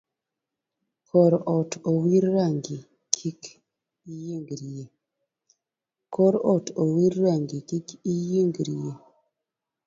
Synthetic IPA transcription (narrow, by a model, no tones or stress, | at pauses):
kʰɔɾɔtowiɾːaŋɡi | kʰik | ijeŋɡɾije | kɔɾɔtowiɾɾaŋɡikikijeŋɡɾije